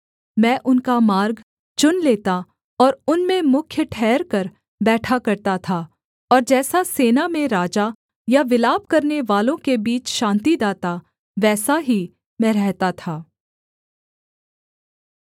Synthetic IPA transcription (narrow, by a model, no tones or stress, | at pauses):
mɛ̃ːʔʊnkamaːɾɡ | t͡ʃʊnleːt̪a | ɔːɾʊnmẽmʊkʰjəʈʰɛːɾkɐɾ | bɛːʈʰakɐɾt̪at̪ʰa | ɔːɾd͡ʒɛːsaseːnamẽɾaːd͡ʒa | jaʋɪlaːb̚kɐɾneʋaːlõkebiːt͡ʃʃãːnt̪id̪aːt̪a | ʋɛːsaɦi | mɛ̃ːɾɛɦt̪at̪ʰaː